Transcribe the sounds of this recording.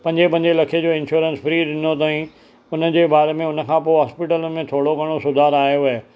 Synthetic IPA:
pɐ̃ɲd͡ʑepɐ̃ɲd͡ʑelɐkʰed͡ʑoːɪ̃nʃuːɾə̃nsfɾiːɗɪnot̪̬aːĩ | ʊnəd͡ʑeːbaːɾemẽʊnə̆kʰãːpoːeɦaːspɪʈələnɪ̆mẽt̪ʰoːɽokɐɽ̃osʊd̪ʱaːɾaːɦjoʋe

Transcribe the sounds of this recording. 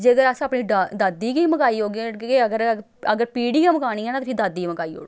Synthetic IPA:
d͡ʒeːəɡəɾəsaːpniːɖad̪aːd̪iːkiːməkaːiːoːɡeːəɡəɾ | əɡəɾpiːɽiːɡãːməkaːɽ̃iːãːnãːt̪epʰɪd̪aːd̪iːməkaːio̰ːɽ

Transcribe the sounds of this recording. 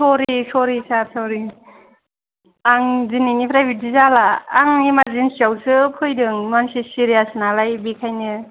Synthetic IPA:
sɔɾisɔɾisasɔɾi | aŋzininipʰɾajbidizalaːŋimazinsiawsɯpʰɯjdɯŋmansisiɾijasɯnalajbikʰajnɯ

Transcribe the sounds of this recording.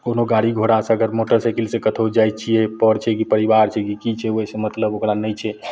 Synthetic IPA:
konoɡaɽiɡʱoɽasəɡəɾmoʈəɾsajkilsẽkət̪ʰod͡ʒajt͡ʃʰijɛpəɽt͡ʃʰɛkipəɾiʋaɾt͡ʃʰɛkikit͡ʃʰɛosẽmət̪ləbokɾanəjt͡ʃʰɛ

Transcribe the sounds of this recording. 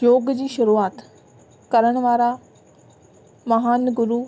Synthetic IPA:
joːɡd͡ʑiːʃʊɾuaːt̪ | kɐɾəɽ̃ʋaːɾa | mɐɦaːnɡʊɾuː

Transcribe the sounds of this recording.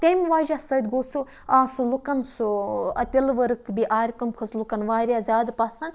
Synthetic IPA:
t̪ʲemʋaːʒasɐd̪̚ʲɡosu | aːsulukɐnsuɐ̰t̪ʲilʋɐɾɨk̚t̪ʰbiʔaːɾʲkɐmkʰɐslukɐnʋaːɾijaːzʲaːd̪pɐsɐn

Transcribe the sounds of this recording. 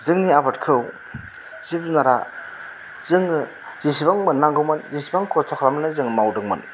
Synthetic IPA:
zɯŋniabatkʰɯw | z̥ip̚zunaɾa | z̥ɯŋ | zisibaŋmɯnːaŋɡɯwmɯnzisibaŋkʰɔtʰɔkʰlamanɯzɯŋmawdɯŋmɯ̰n

